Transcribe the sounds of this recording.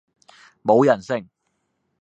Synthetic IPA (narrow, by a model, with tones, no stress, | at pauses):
mo˨˧wjɐ˨˩nsɪ˥˩ŋ